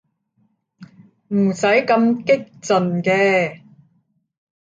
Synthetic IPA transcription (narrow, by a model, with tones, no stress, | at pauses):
m̩˨˩sɐ˨˥jkɐ˧mkɪ˥k̚t͡sɵ˨nkɛː˧